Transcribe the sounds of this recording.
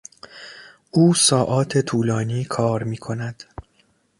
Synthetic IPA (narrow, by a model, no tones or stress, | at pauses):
ʔuːsɒːʔɒːt̪ʰe̞t̪ʰuːlɒːniːkʰɒːɾmiːkʰo̞næd̪̥